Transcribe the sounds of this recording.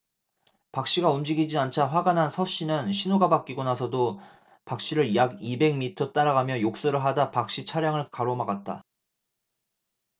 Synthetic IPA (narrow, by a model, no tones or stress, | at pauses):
pak̚ɕ͈iɡaumd͡ʑiɡid͡ʑiant͡ɕʰaɸwaɡanɦansʰʌɕ͈inɯnɕʰinoɡabak͈̚iɡonasʰʌdo | pak̚ɕ͈iɾɯɭjaɡibe̞ŋmitʰʌt͈aɾaɡamjʌjok̚s͈ʌɾɯɭɦadapak̚ɕ͈it͡ɕʰaɾjaŋɯɭkaɾomaɡat̚t͈a̰